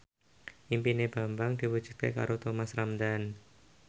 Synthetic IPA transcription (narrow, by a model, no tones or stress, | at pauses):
ʔimpineb̥a̤mbaŋd̪̥i̤wud̥ʒ̥ṳt̪̚keka̰ɾʔot̪omasramd̪an